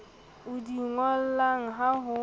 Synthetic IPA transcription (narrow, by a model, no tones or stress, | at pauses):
udiŋʷɔl̩laŋ̩ɦaɦʊ